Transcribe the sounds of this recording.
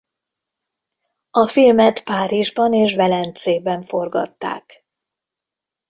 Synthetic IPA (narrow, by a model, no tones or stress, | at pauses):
ɒfilmɛt̪paːɾiʒbɒneːʃvɛlɛnt̪seːbɛɱfo̞rɡɒ̰t̪ːa̰ːk